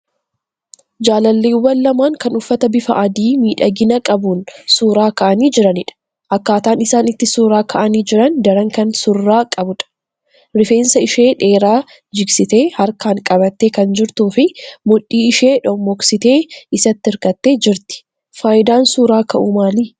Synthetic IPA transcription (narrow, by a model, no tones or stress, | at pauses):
d͡ʒaːlɐlːeːwːɐllɐmaːŋkɐnʊfːɐt̪ɐbɪfɐʔɐd̪iːmiːᶑɐɡɪnɐkʼɐbuːnsuːɾaːkɐʔɐniːd͡ʒɪɾɐnɪᶑɐ̥ | ʔɐkːaːt̪aːnɪsaːnɪt̪ːɪsuːɾaːkʰɐʔɐniːd͡ʒɪɾɐnd̪ɐɾɐŋkɐnsʊrːaːkʼɐbʊᶑɐ̥ | ɾɪfe̞ːnsɐɪʃeːᶑe̞ːɾaː | d͡ʒɪɡsɪt̪e̞ːhɐɾkaːŋkʼɐbɐt̪ːeːkɐnd͡ʒɪɾt̪uːfɪmʊᶑːiːɪʃe̞ːᶑɔmːɔksɪt̪e̞ːɪsɐt̪ːɪɪɾkɐt̪ːe̞ːd͡ʒɪɾt̪ɪ̥ | faːjɪd̪aːnsuːɾaːkʰɐʔumaːliː